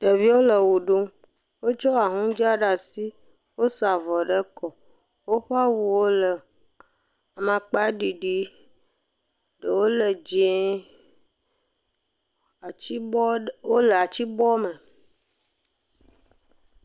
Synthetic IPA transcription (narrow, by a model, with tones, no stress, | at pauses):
ɖe˨vi˦wo˦lə˨wu˨ɖu˦m | wo˦t͡ʃɔ˦a˨ɦũ˦d͡ʒi˦a˦ɖa˨si˦ | wo˦sa˨vɔ˨ɖə˦kɔ˨ | wo˦ɸa˦wu˨wo˦lə˨ | a˨mã˨k͡pa˦ɖi˨ɖi˦ | ɖə˨wo˦lə˨d͡ʒi˨e˦˨˦ | wo˦lə˨a˨t͡ʃi˦bɔ˦mə̃˨